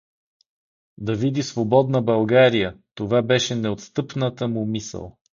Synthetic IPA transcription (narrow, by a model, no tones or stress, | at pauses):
d̪ɐvid̪isvobɔd̪nəbɐlˠɡaɾijət̪ovabɛʃɛnɛot̪st̪ɤpnət̪əmumisə̰lˠ